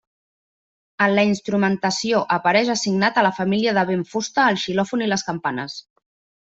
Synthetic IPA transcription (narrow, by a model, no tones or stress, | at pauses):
ənləinst̪ɾumənt̪əsioʔəpəɾɛʃəsiɡnat̪ələfəmiliəðəβeɱfust̪əːlˠʃilɔfuniləskəmpanə̰s